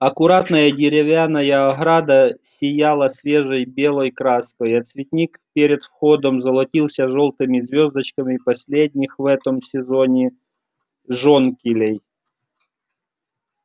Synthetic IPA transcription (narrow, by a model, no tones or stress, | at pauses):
ɐkʊɾat̪nəjɐdʲɪɾʲɪvʲanːɐjɐɐɣɾad̪ɐsʲɪjalˠɐsʲvʲeʐɨjbʲelˠəjkɾaskɔjɐt̪svʲɪt̪ʲnʲikpʲeɾʲɪt̪fxod̪əmzɐlˠɐtʲilˠsʲɐʐolˠt̪ɨmʲɪzʲvʲozd̪ət͡ɕkɐmʲɪpɐsʲlʲedʲnʲixvɛt̪əmsʲɪzonʲɪ | ʐonkʲɪlʲej